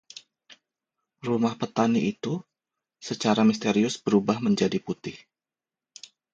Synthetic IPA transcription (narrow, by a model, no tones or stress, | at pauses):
rumahpət̪aniʔit̪u | sət͡ʃaɾamist̪eɾiʊsbəɾubahməɲd͡ʒadiput̪ɪh